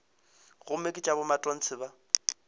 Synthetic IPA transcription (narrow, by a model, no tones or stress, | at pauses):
ɣʊmɛkʼɪt͡ʃʼabʊmatʼɔn̩t͡sʰɪba